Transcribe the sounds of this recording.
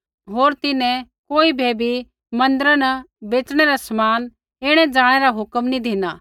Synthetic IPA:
ɦoːɾt̪ɪnɛ̃ | koːibʱebʱi | mɐ̃nd̪əɾanɐ | beːt͡ʃɽ̃ɛɾasɐmaːn | ɪɽ̃ɛd͡ʒaːɽ̃ɛɾaɦʊkəmnid̪ʱɪnaː

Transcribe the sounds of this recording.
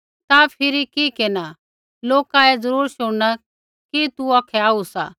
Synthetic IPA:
t̪apʰɪɾikikeːna | loːkaɛd͡zɐɾuːɾʃʊɽɽa | kit̪uaːkʰɛaːusa̰ː

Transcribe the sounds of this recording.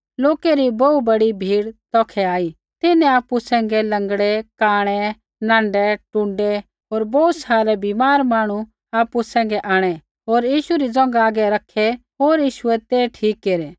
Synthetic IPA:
loːkeɾibɐubɐɽibʱiːɽt̪ɔːkʰɛaːi | t̪ɪnɛ̃aːpusɛ̃ːŋ̆ɡɛlɐ̃ŋɡɽɛkaːɽ̃ɛ | nãːɳɖɛʈũːɳɖɛ | ɦoːɾbout̪saːlɛbimaːɾmaːɽ̃u | aːpusɛ̃ːŋ̆ɡɛʔaːɽ̃ɛ | ɦoːɾjiːʃuɾid͡zɔ̃ːŋɡaːɡɛɾɐkʰeɦoːɾjiːʃʊɛt̪eːʈʰiːkːeːɾeː

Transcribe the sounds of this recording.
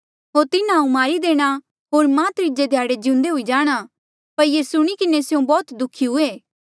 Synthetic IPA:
ɦoːɾt̪ɪnãũmaːɾid̪eːɽ̃a | ɦoːɾmãːt̪ɾid͡ʒed̪ʱjaːɽed͡ʒĩũːnd̪eɦʊid͡ʒaːɽ̃a | pɐɾjesʊɽ̃ikɪnesjõbɔːt̪d̪ʊkʰːiɦʊeː

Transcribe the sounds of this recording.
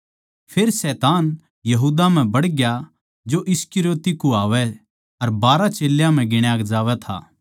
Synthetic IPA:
pʰeɾsɛːt̪aːn | jɐɦuːd̪am̤ɛ̃bɐɽɡja | d͡ʒoʔɪskɪɾjoːt̪ikuaːʋɛ | ɐɾbaːɾat͡ʃeːlːjãm̤ɛ̃ɡɪɽ̃jaːkd͡ʒaːʋɛt̪ʰa̰ː

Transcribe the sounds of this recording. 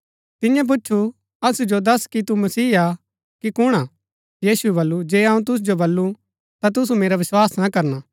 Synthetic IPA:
t̪ɪjãp̬ʊːt͡ʃʰu | ɐsud͡ʒod̪ɐskit̪umɐsiːa | kikʊɽ̃a | jiːsuɛbɐlːud͡ʒɛːɐũt̪̬ʊs̬d͡ʒobɐlːu | t̪at̪̬ʊs̬umeːɾaʋɪswaːsnãkɐɾnaː

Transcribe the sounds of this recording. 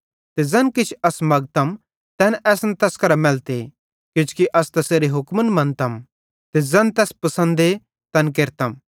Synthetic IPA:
t̪ed͡zɛnkɪt͡ʃʰɐsmɐɡ̚t̪ɐm | t̪ɛːnʔɛːsnɛt̪ɛːskɐɾamɛlt̪e | kɪt͡ʃkiʔɐst̪ɐseːɾeɦʊkmənmɐ̃nt̪ɐm | t̪ed͡zɛnt̪ɛːspɐsə̃nd̪e | t̪ɛnk̬eɾt̪ɐm

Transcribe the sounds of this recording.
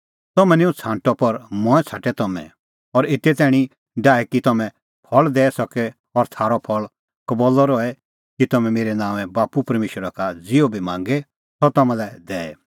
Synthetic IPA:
t̪ɔmɛ̃nɪũt͡sʰãːɳʈɔpɔɾmɔ̃ːɛ̃t͡sʰaːʈɛt̪ɔmɛ̰̃ | ɔɾɪt̪et̪ɛːɽ̃i | ɖaːɛkit̪ɔmɛ̃ | pʰɔɭd̪ɛːɛsɔkɛ | ɔɾt̪ʰaːɾɔpʰɔɭ | kɐbɔlɔɾɔɛ | kit̪ɔmɛ̃meːɾenãːʋɛ̃baːpupɐɾmeːʃwəɾakad͡zɪobʱimãːŋɡɛ | sɔt̪ɔmãlɛd̪ɛːɛ

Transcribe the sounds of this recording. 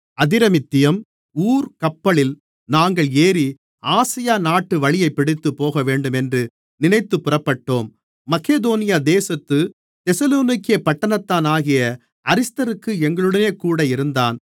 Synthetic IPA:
ɐðɪɾɐmɪt̪ːɪjɐm | uːɾkɐpːɐɭɪl | naːŋɡɐɭeːɾi | aːsɪjaːnaːʈːɯʋɐɭɪjɐɪpːɪɽɪt̪ːɯpːoːɣɐʋeːɳɖɯmɛndrɯ | nɪnɐɪt̪ːɯpːɪrɐpːɐʈːoːmː | ɐkeːðoːnɪjaːd̪eːsɐt̪ːɯ | t̪ɛsɐloːnɪkːɪjɐpːɐʈːɐnɐt̪ːaːnaːɣɪjɐ | ɐɾɪst̪ɐɾɯkːɯɛŋɡɐɭɯɽɐneːkuːɽɐɪɾɯnd̪aːn

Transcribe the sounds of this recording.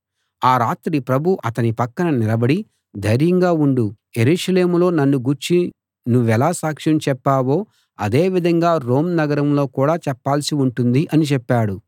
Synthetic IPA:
aːɾaːt̪ɾipɾɐbʱuʔɐt̪ɐnipɐkːɐnɐnilɐbɐɽi | d̪ʱɐɾjɐŋɡaːuɳɖujeɾuːʂɐle̞ːmulo̞ːnɐnːuɡuɾt͡ʃi | nuʋːɛlaːsaːkʂɐmt͡ʃɛpːaːʋo̞ː | ɐ̰d̪e̞ːʋid̪ʱɐŋɡaːɾo̞ːmnɐɡɐɾɐmlo̞ːkuːɽaːt͡ʃɛpːaːlsiuɳʈund̪iʔɐnit͡ʃɛpːaːɽu

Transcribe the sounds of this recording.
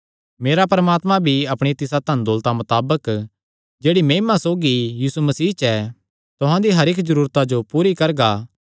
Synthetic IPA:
meːɾapɐɾəmaːt̪mãbʱiɐpɽ̃it̪ɪs̬at̪ɐnd̪oːlt̪amʊt̪aːbək | d͡ʒeːɽimẽːmãsoːɡijiːsumɐsiːt͡ʃɛ | t̪ʊɦãd̪iɦɐɾɪkʰd͡ʒɐɾuːɾt̪ad͡ʒopuːɾikɐɾɡaː

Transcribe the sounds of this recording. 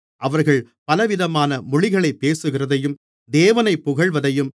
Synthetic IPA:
ʔɐʋɐɾɣɐɭ | pɐlɐʋɪðɐmaːnɐmʊɻɪɣɐɭɐɪpːeːsɯɣɪrɐðɐjɯm | d̪eːʋɐnɐɪpːʊɣɐɭʋɐðɐjɯm

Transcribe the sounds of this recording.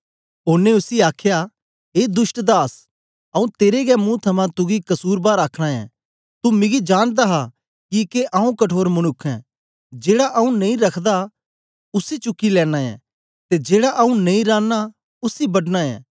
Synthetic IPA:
oːneʊsiaːkʰja | ɦeːd̪ʊsʈd̪aːs | ɐũt̪eːɾeɡɛmũt̪ʰɐmãt̪ʊɡikɐsuːɾbaːɾaːkʰɽ̃aɛ̰̃ | t̪umɪɡid͡ʒaːɽ̃d̪aɦa | kikeʔãːũkɐʈʰoːɾmɐɽ̃ʊkʰːɛ̰̃ | d͡ʒeːɽaʔɐũnɐĩɾɐkʰd̪a | ʊsit͡ʃʊkːilɛːɽ̃aɛ̰̃ | t̪ed͡ʒeːɽaʔɐũnɐĩɾãːnːa | ʊsibɐɖñaɛ̰̃ː

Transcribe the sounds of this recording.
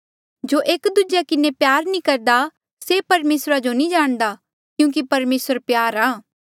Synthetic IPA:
d͡ʒoːʔeːkd̪ud͡ʒakɪnepjaːɾnĩkɐɾd̪a | sepɐɾmeːsɾad͡ʒonĩd͡ʒaːɽ̃d̪a | kjũːk̬ipɐɾmeːsəɾpjaːɾaː

